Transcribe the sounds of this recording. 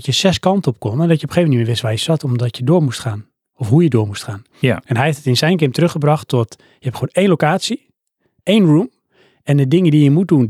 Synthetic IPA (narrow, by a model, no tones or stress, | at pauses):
tjəsɛskɑntəɔp̚konadɔtjəopəxeːvmɛnimɪʋɪsʋajsɔtɔmdɔtjədoːɹmustxaːn | ɔfɦujədoːmustxaːn | ɛnɦɛjhftətɪnsɛjnkɪmtrøxəbrɑxtɔt | jəhɛpxoːneːnlowkaːtsi | eːnrum | ɛndədɪŋədijəmut̚dun